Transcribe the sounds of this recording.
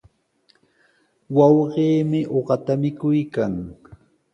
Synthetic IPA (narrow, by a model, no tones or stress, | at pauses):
wɑwɢeːmɪʔoɢɑt̪amɪkʊjkaŋ